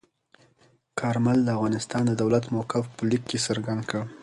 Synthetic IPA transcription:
kʰɑɾmald̪əafɣɑnɪst̪ɑnd̪əd̪awlat̪mawkɪfpəlikːesəɾɡand̪kəɽ

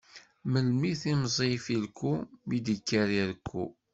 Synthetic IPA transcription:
məlmiθimzˤifilkʰːumid̪əkːæɾiɾkʰʷːṵ

